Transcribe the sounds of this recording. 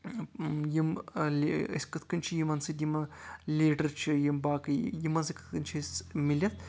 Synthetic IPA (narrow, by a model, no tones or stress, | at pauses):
jimlə̰sʲkɐt̪ʰkɐnʲt͡ʃʰijimɐnsɨd̪ʲjimɐlʲiːʈɐɾt͡ʃʰijimbaːkɨjimɐnsɨkɐ̥t̪ʰkɐnʲt͡ʃʰisʲmilʲɐt̪̚ʰ